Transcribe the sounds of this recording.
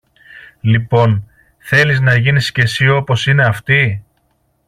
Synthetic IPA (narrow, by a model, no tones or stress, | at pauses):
lipo̞n | θe̞liznɐʝinisce̞sio̞po̞sine̞ɐft̪i